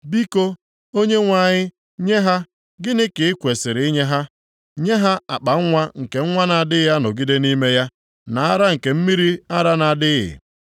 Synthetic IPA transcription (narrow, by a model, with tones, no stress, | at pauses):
bi˦ko˦ | o˦ɲe˦ŋʷa˨ɲɪ˦ | ɲe˦ɦa˦ | ɡɪ˦nɪ˦kɪ˨ɪ˦kʷe˨sɪ˨ɾɪ˨ɪ˦ɲe˦ɦa˦ | ɲe˦ɦa˦a˨k͡pa˨ŋ̩˦ŋʷa˦ŋ̩˨ke˨ŋ̩˦ŋʷa˦na˨dɪ˦ja˦no˨ɡi˦de˦ni˦me˦ja˦ | na˨a˦ɾa˦ŋ̩˨ke˨m̩˦mi˦ɾi˦a˦ɾa˦na˨dɪ˦ɣɪ̰˨